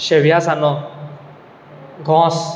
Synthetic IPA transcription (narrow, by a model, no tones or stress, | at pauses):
ʃewijasanɔ | ɡʱɔ̃ːs